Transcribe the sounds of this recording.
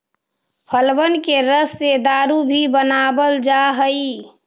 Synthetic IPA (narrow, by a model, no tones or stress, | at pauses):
pʰəlbənkeɾəsːed̪aːɾubʱibənaːbəld͡ʒaɦəi